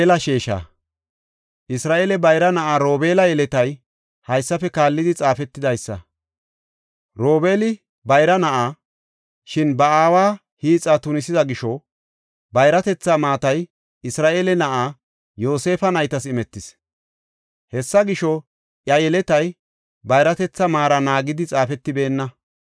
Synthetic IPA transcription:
lɐʃeːʃa̰ː | ʔɪsɾaːʔeːlɛbɐjɾɐnɐʔaːɾo̞ːbe̞ːlɐjɛlɛt̪ɐj | hɐjsːɐfɛkaːlːɪd̪ɪt͡sʼaːfɛt̪ːɪd̪ɐjsːɐ̰ | ɾo̞ːbe̞ːlɪ | bɐjɾɐnɐʔaː | ʃɪnbɐaːwaː | hiːt͡sʼaːt̪ʊnɪsɪzɐɡɪʃɔ | bɐjɾɐt̪ɛt͡sːamaːt̪ɐj | ɪsɾaːʔe̞ːlɛnɐʔaː | jo̞ːse̞ːfɐnɐjt̪ɐsɪmɛt̪ːɪs | hɛsːɐɡɪʃɔ | ʔjɐjɛlɛt̪ɐj | bɐjɾɐt̪ɛt͡sːɐmaːɾɐnaːɡɪd̪ɪt͡sʼaːfɛt̪ːɪbe̞ːnːɐ

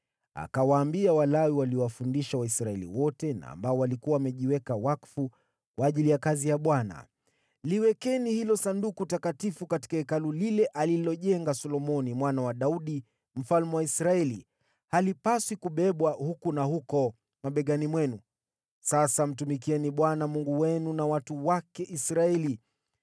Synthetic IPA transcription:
a̰kawaːmbiawalawiwaliɔwafundiʃawaisɾaɛlḭwɔtɛna̰ːmbaɔwalikuwawːmɛʄiwɛkawakfu | kwaːʄilijakazijaɓwana̰ | liwɛkɛnihilɔsandukutakatifukati̥kaɛkalulilɛʔalilɔʄɛŋɡasɔlɔmɔnimwanawaɗauɗi | m̩falmɛwaisɾaɛli | halipaswikuɓɛɓwahukunahukɔ | maɓɛɠanimwɛnu | sasam̩tumik̬iɛniɓwanamuŋɡuwɛnunawatuwakɛʔisɾaɛli

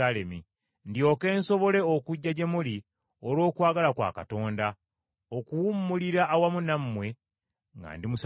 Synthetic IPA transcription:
ale̞mi | ndio̞ːke̞ːnso̞βo̞le̞okuɟːaɟemuli | olo̞ːkwaːɡalakwa̰ːka̰to̞ːnda | okuwumːuliɾaʔːwamunamːwe̞ | ŋɡa̰ːndimus

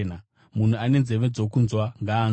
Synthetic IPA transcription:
na | mun̤uane̞nze̞ʋe̞d͡zo̞kunzwaŋɡaː

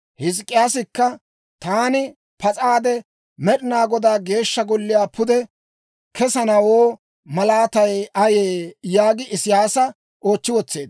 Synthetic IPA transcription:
hɪs̬kʼːɪjaːsɪkːɐ | t̪aːnɪ | pɐt͡sʼaːd̪ɛ | mɛɗɪnaːɡɔd̪aːɡe̞ːʃːɐɡɔlːɪjaːpʊd̪ɛ | kɛsɐnɐwoː | mɐlaːt̪ɐjɐjeːjaːɡɪʔɪsɪjaːsɐ | o̞ːt͡ʃːɪwɔt͡sːe̞ːd̪

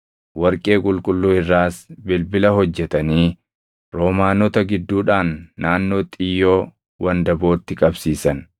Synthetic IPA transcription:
wɐɾkʼe̞ːkʼʊlkʼʊlːuːɪrːaːsbɪlbɪlɐɦɔd͡ʒːɛt̪ɐniː | ɾoːmaːnɔt̪ɐɡɪd̪ːuːᶑaːnːaːnːo̞ːt̪ʼɪjːo̞ː | wɐnd̪ɐbo̞ːt̪ːɪkʼɐbsiːsɐn

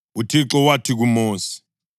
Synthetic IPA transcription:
utʰiǁɔwatʰik̬umoːsi̥

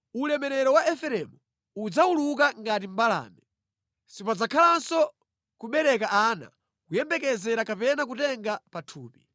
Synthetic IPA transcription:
ulɛmɛɾɛɾɔwaʔɛfɛɾɛmu | ud͡zauluk̬aŋɡatim̩bala̰ːmɛ | sipad͡zakʰalansɔ | kuɓɛɾɛkaʔaːna̰ | kujɛmbɛkɛzɛɾakapɛnak̬utɛŋɡapatʰuːpi

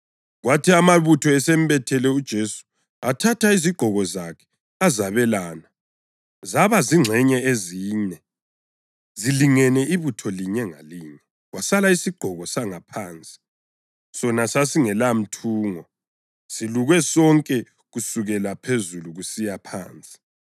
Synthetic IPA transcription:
ɣwatʰiamaβutʰɔɛsɛm̩bɛtʰɛlɛud̥ʒ̥ʱesu̥ | atʰatʰaiziɡ͡ǃ̥ʱɔɣɔzakʰɛ̥ | azaβɛlaːna | zaβaziŋ͡ǀʱɛɲɛeziːɲɛ | ziliŋɛnɛʔiβutʰɔliɲɛŋa̰liɲɛ | ɣwasalaisiɡ͡ǃ̥ʱɔɣɔsaŋapʰaːnt͡sʼi̥ | sɔnasasiŋɛlam̩tʰuːŋɔ | siluɣɛsɔŋkʼɛ | ɣusuɣɛlapʰezuluɣusijapʰa̰ːnt͡sʼi̥

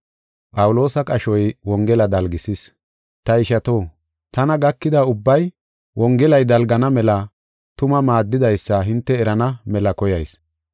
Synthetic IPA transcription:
pʼɐwʊlo̞ːsɐkʼɐʃɔjwɔŋɡɛlɐd̪ɐlɡɪsɪs | t̪ɐɪʃɐt̪o̞ː | t̪ɐnɐɡɐkːɪd̪ɐʊbːɐj | wɔŋɡɛlɐjd̪ɐlɡɐnɐmɛlɐ | t̪ʊmɐmaːd̪ːɪd̪ɐjsːɐɦɪnt̪ːɛːɾɐnɐmɛlɐkɔjɐjs

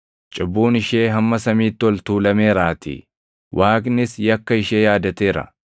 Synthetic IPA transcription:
t͡ʃʼɪbːuːnɪʃeːɦɐmːɐsɐmiːt̪ːɪɔlt̪uːlɐmeːɾaːt̪ɪ̰ | wʔaːknɪsjɐkːɐɪʃeːjaːd̪ɐt̪eːɾɐ̰

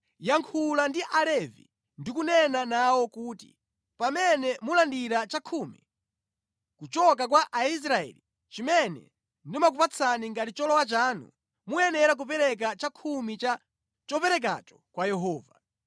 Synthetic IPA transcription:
jaŋkʰulandiʔalɛvḭ | ndikunɛnanawɔkuːtḭ | pamɛnɛmulandiɾat͡ʃakʰumḭ | kut͡ʃɔk̬ak̬waʔais̬ɾaɛ̰li | t͡ʃimɛnɛ̰ | ndimak̬upat͡sʰaniŋɡatit͡ʃɔlɔwat͡ʃaːnṵ | muɛnɛɾak̬upɛɾɛk̬at͡ʃakʰumit͡ʃa | t͡ʃɔpɛɾɛk̬a̰tɔ̥kwajɛɦɔːva̰

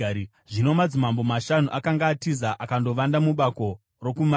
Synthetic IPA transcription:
ʐino̞mad͡zimambo̞maʃanuʔakaŋɡaːtizaʔakando̞ʋandamuɓako̞ | ro̞kuma

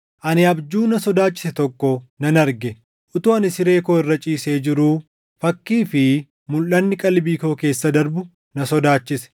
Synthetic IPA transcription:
ʔɐnɪɐbd͡ʒuːnɐsɔd̪aːt͡ʃːɪ̥sɛt̪ɔkːɔnɐnɐɾɡɛ | ʔʊt̪uːɐnɪsɪɾe̞ːkoːɪrːɐt͡ʃʼiːse̞ːd͡ʒɪɾuː | fɐkːiːfɪ | mʊlːɐnːɪkʼɐlbiːko̞ːke̞ːsːɐd̪ɐɾbʊ | nɐsɔd̪aːt͡ʃːɪsɛ̥

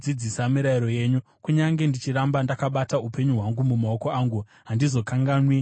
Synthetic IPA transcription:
id͡zisamiɾaiɾo̞je̞ɲu | kuɲaŋɡe̞ndit͡ʃiɾambandakaɓataupe̞ɲuɦwaŋɡumumao̞ko̞aːŋɡu | ɦandizo̞kaŋɡaːnwi

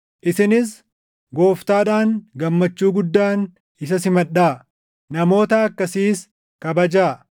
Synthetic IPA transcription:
ʔɪsɪnɪs | ɡo̞ːft̪aːᶑaːŋɡɐmːɐt͡ʃːuːɡʊd̪ːaːn | ɪs̬ɐs̬ɪmɐᶑːaː | nɐmo̞ːt̪ɐɐkːɐsiːs | kɐbɐd͡ʒaː

